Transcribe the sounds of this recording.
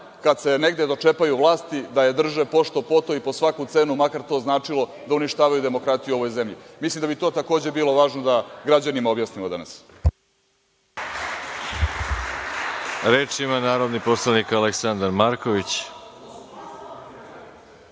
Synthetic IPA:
kad̪se̞ne̞ɡd̪ed̪o̞t͡ʂe̞pajuʋlˠaːst̪id̪aje̞d̪r̩ʒepo̞ʂt̪o̞po̞t̪o̞ipo̞sʋakut̪se̞ːnumakaɾt̪o̞ːznaːt͡ʂilo̞ | d̪auniʃt̪aːʋajud̪e̞mo̞kɾat̪ijuo̞ʋo̞jze̞mʎimislimd̪abit̪o̞ːt̪ako̞ːd͡ʑe̞biːlˠo̞ʋaːʒnod̪aɡɾad͡ʑanimaobjasnimo̞d̪a̰na̰s | ɾeːt͡ʃimanaːɾod̪niposlˠanikaleksand̪aɾmaɾkoʋit͡ɕ

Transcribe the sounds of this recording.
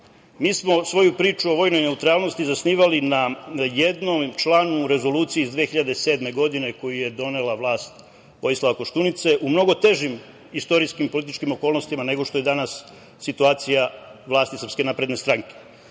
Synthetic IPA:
miːsmo̞sʋo̞jupɾiːt͡ʃuoʋo̞ːjno̞jne̞ut̪ɾaːlˠno̞st̪izasniːʋalinajed̪nomt͡ʃlaːnuɾe̞zo̞luːt̪siiːzd̪ʋeexiʎad̪ese̞d̪me̞ɡo̞d̪ine̞ko̞juje̞d̪o̞ne̞laʋlˠaːst̪ | o̞jislˠaʋako̞ʃt̪unit̪se̞ʔumno̞ɡo̞t̪e̞ʒim | ist̪o̞ɾiskimpolit̪it͡ʃkimo̞ko̞ːlˠnost̪imane̞ɡo̞ʃt̪o̞jed̪anasː | it̪uaːt̪sijaʋlˠaːst̪isɾrpske̞naːpɾe̞d̪ne̞st̪ɾaŋke̥

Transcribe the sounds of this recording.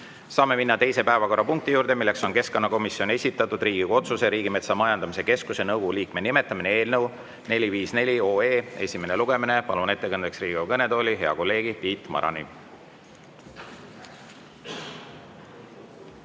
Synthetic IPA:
sɑːme̞minːɑt̪e̞jse̞pæe̞vɑko̞ɾːɑpuŋk̚t̪ijuːɾd̪e̞milːe̞kso̞nke̞sko̞nːɑko̞misːjo̞ne̞sʲit̪ːˑɑt̪ːˑud̪riːɡ̥iɡ̥ɑo̞t̪suse̞ɾiːɡime̞t̪sɑmɑjɑnd̪̥ɑmise̞ke̞skuse̞nɤwɡoɡuliːkmenime̞t̪ːˑɑminee̞ːlnəw | ne̞lʲiviːsne̞lʲio̞ːe̞ːe̞sʲime̞neluɡ̥e̞mine̞pɑlune̞t̪ːˑe̞kɤnd̪eksriːɡ̥ekɤne̞d̪o̞ːlʲiɦe̞ɑko̞lːe̞ːɡipiːt̪ˑmɑ̰ɾɑ̰nḭ

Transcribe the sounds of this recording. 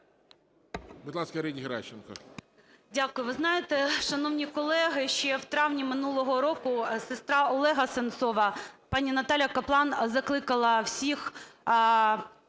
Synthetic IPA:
bud̪lˠɑskɐɾɛdʲiɦeɾɑ̰t͡ʃːɪnkɐ̰ | dʲakʊjʊʋɪznɑjet̪ɛʃɐnɔwnʲikɔlˠɛɦɪʃt͡ʃɛwt̪ɾɑwnʲimɪnulˠɔɦɔɾɔkʊsɪst̪ɾɑɔlˠɛɦɐsent̪sɔʋɐpɑnʲinɐt̪ɑlʲjɐkɐplˠɑnzɐklˠɪkɐlˠɐwsʲix

